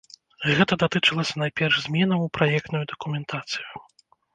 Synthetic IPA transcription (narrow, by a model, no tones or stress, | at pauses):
ɣɛt̪ɐd̪at̪ɨt͡ʂɨlˠɐsʲɐnajpʲɛrʐzʲmʲɛnɐupɾajɛk̚t̪nujud̪ɐkumʲɛnt̪ʰat̪sɨju